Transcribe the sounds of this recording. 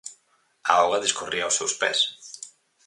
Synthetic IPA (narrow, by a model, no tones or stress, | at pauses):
aɔɣaðeskoriawsewspɛ̰s